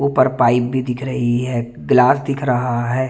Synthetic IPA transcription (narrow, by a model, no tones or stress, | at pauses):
opɐɾpaːɪp̚bʱid̪ɪkʰɾɐɦiɦɛː | ɡlaːsd̪ɪkʰɾɐɦaɦɛː